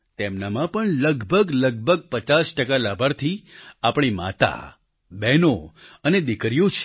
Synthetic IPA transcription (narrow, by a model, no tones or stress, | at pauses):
t̪emnamãpəɳləɡbʱəɡləɡ̚bʱəɡ̚pət͡ʃasʈəkalabʱaɾt̪ʰiapɳ̃ima̰t̪a̰ | bɛnoəned̪ɪkɾjõt͡ʃʰ